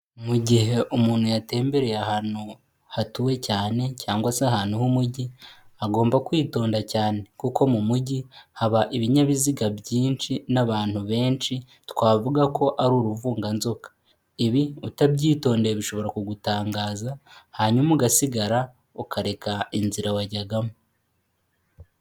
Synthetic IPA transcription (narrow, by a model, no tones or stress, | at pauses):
muɟihe̞ʔumuːn̥hujate̞ːmbe̞ɾe̞jahaːnu | hatuwe̞caːne̞caːŋɡwaseaɦaːnuhumuɟiaɡo̞ːmbakwiːto̞ːndacaːne̞kuko̞mumuɟihaβaʔiβiɲaβiziɡabjiːnt͡ʃinaβaːn̥huβe̞ːnt͡ʃi | twaːvuɡakʰo̞ʔaɾuːɾuvuːŋɡanzo̞kḁ | iβiutabɟiːto̞ːndeɾeβiʃo̞βo̞ɾakuɡutaːŋɡaːzahaɲumuɡasiɡaɾa | ukʰaɾe̞kainziɾawaɟaɡamo